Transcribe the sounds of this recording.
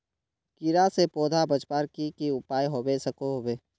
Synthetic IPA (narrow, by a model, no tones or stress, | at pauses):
kiɾasepoːd̪ʱabət͡ʃpaːɾkikiʊpaːjɦoːbesəkoɦoweː